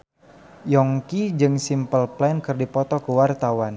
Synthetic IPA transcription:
jɔŋkid͡ʒɨŋsimpəlplɛnkɨrdipɔt̪ɔkəwart̪awan

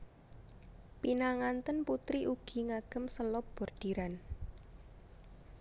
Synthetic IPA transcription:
pinaŋant̪ənput̪ɾiʔuɡ̥i̤ŋaɡ̥ə̤msəlɔb̥ɔ̤rd̪̥i̤ɾan

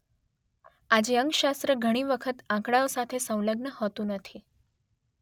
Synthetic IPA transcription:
ad͡ʑeəŋɡʃast̪ɾəɡʱəɽ̃iʋəkʰət̪ãkɽaosat̪ʰesə̃w̃ləɡɳəhot̪ũnət̪ʰi

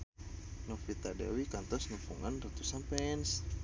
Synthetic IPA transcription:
nɔfit̪adɛ̰wikant̪ɔsnufuŋanrat̪usanpɛns

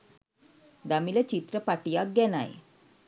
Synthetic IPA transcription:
d̪amilət͡ɕit̪ɾəpaʈijak̚ɡɛna̰j

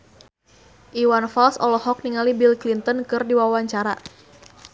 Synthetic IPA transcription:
ʔiwanfalsɔlɔhɔk̚niŋalibilklint̪ənkɨrdiwawaɲt͡ʃaɾa̰

